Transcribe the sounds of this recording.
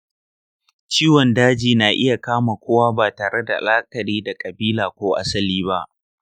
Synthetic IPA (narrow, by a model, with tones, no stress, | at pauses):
t͡ʃiː˦wɔ˨ndaː˦d͡ʒiː˨na˨ʔɪ˦ja˨kaː˦ma˨kʷoː˦waː˦baː˨taː˨ɽe˦da˨laː˦kʼɐ˨ɾiː˦da˨kʼɐ˨biː˦laː˨kʷoː˦ʔa̰˦sɐ˦liː˦βa˦ʔ